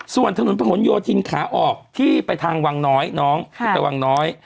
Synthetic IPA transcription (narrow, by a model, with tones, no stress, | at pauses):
su˨˩ənt̪ʰa˧nu˨˩˦npʰa˧ɦo˨˩˦njoː˧t̪ʰi˧nkʰaː˩˦ʔɔː˨˩k̚t̪ʰiː˥˩pa˧jt̪ʰaː˧ŋwa˧ŋnɔː˦˥jnɔː˦˥ŋt̪ʰːpa˧jwaː˧ŋnɔː˦˥j